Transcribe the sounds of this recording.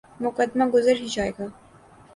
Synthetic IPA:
mʊkɐd̪maɡʊzəɾɦid͡ʒɑːjeɡaː

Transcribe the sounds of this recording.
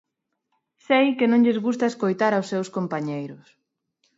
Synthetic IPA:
sejkɪnõŋʎezɣust̪ɐeskojt̪aɾawsːewskompaɲejɾʊs

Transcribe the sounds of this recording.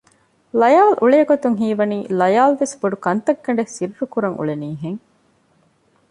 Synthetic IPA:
lɐjaːlʔuɭeːɡot̪uŋɦiːʋɐniːlɐjaːlʋesboɖukɐnt̪ɐɡːɐɳ̆ɖesiɾːukuɾɐŋʔṵɭeniːɦeŋ

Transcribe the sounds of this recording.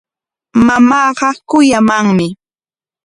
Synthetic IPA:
mamɑːɢɑkʊjamaŋmɪ

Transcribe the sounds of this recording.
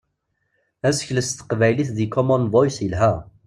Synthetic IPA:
æsə̥çləst̪ːə̥qvæjliθðikʰɔmɔnvɔjsəlɦæ

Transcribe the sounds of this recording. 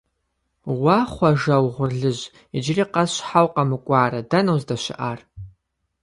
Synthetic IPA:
waχʷaʐawʁʷʊrɮɨʒʷ | id͡ʒriqʼazʃʷħawqʼamɨkʷʼaːradanowzdaʃʷɪ̰ʔar

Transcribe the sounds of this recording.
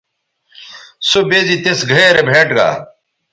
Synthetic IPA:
sobeːd͡ʑit̪esɡʱɐɾebʱeːʈɡa̰ː

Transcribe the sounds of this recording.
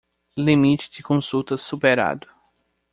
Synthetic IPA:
limit͡ʃɪ̥d͡ʒ̪ɪkõsut̪ɐsupeɾa̰d̪ʊ

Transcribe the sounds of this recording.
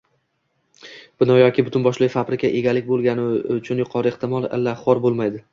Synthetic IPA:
b̥ɪnɒjɒkʲɪbʊt̪ʰʊnbɒʃlɪfabɾɪkʲaʔe̞ɡʲalɪkʲbolˠɡʲanɪʊt͡ʃʰʊnjʊqʰɒɾɪeht̪ɪmɒlˠɪ̰lːaχɒɾbolˠmajd̪ɪ

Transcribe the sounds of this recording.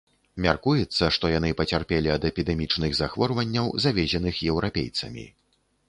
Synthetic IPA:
mʲarkujɛt̪sːɐʂt̪ɔjanɨpɐt͡sʲarpʲɛlʲiɐd̪ɛpʲid̪ɛmʲit͡ʂnɨɣzaxvɔrvɐnʲːɐwzavʲɛzʲɛn̪ɨxjɛwɾʔapʲḛjt̪sɐmʲḭ

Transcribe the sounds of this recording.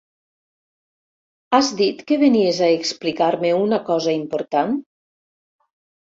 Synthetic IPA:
azd̪it̪keβeniezaeksplikaɾmeunakɔzaimpoɾt̪an

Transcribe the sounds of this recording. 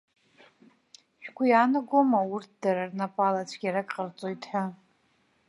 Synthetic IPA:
ʃᶣɡʷijaːnɨɡomaurt̚ʰd̥aɾarnapʼalat͡ɕʷʰɡʲaɾakʼqʼərt͡sʼojtʰʼħʷa

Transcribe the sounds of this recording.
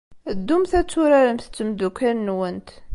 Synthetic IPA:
d̪ːumθæt͡sːuɾæɾəmθə̥t͡sːəmd̪ukːænːwənt̪

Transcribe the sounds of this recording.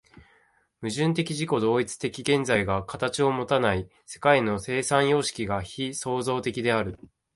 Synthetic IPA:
mɯ̟ʑɨ̃nt̪̬e̞kʲiʑiko̞d̪o̞ːit͡sɨ̥t̪e̞kʲiɡẽ̞nd͡zaiɡakat̪at͡ɕio̞mo̞t̪anai | se̞̥kaino̞se̞ːsãɰ̃jo̞ːɕi̥kʲiɡaçiso̞ːzo̞ːt̪e̞kʲid̪e̞aɾɯ̟

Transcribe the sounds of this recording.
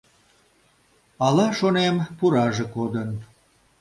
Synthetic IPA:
ɑlɑʃonempuɾɑʒekod̪ən

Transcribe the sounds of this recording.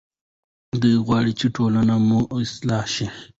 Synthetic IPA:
d̪ujɣwɑːɽit͡ʃeʈʰolanamuɪslɑhʃi

